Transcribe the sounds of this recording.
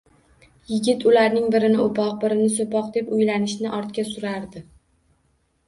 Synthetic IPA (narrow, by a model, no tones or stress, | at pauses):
jɪɡʲɪt̪ʰʊlaɾnɪŋbɪɾɪnɪopʰɒq̚bɪɾɪnɪsopɒqd̪e̞pʊjlanɪʃnɪʔɒɾt̪kʲasʊɾaɾd̪ɪ